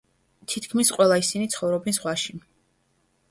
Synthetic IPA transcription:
t̪ʰit̪ʰkʰmisqʼwɛlˠaisinit̪sʰχɔvɾɔbɛnsʁwaʃi

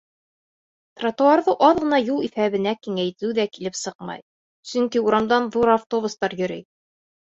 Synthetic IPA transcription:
t̪rat̪ŏɑɾðɤʔɑðʁɤ̆nɑjulˠifæβɘ̆nækiŋæjt̪ɘwd̪ækilɘpsɤqmɑ̰j | sɵŋkiuɾɑmd̪ɑnðuɾaft̪o̞bust̪ɑɾjɵ̆ɾij

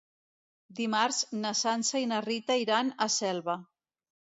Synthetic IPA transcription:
d̪imaɾznəsansəinərit̪əiɾanəsɛlˠβə

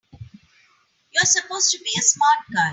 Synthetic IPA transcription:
jəsəpoːz̥tubiəsmaːʈ̚ɡa

